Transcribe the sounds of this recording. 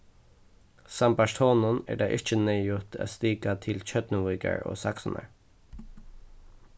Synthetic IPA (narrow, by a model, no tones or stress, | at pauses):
sɑmbɑʃt̪ʰoːnʊnæ̰ːɖɑːʔɪc͡çəneːjʊt̪ʰæ̰ːst̪iːɡɑt̪ʰɪlc͡çœd̪nuɪɡə̰ɹo̰ːsɑksɔn̩ʔə̰ɹ